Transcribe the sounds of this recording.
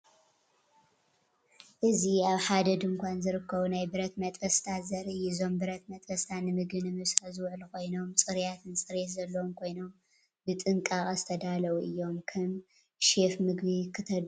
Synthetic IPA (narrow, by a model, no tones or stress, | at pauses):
ʔɨziaβħad̪ɐd̪ɨŋkʷanzɨɾɨkʰːɐβunajbɨɾɐt̪mɐt̪ʼfɐst̪ʰazɐɾɨjizo̞mbɨɾɐt̪mɐt̪ʼfɐst̪ʰanɨmɨɡɨnɨmɨsazɨwʕlukʰo̞jno̞mt͡sʼɨɾjat̪ʰɨnt͡sʼɨɾet̪zɐlːɐwomkʰo̞jnom | bɨt̪ʼɨŋkʼakʼazɨt̪ʰɐd̪alɐwuʔɨjːo̞mkʰɐm | ʃe̞fmɨɡβikʰɨt̪ʰɐ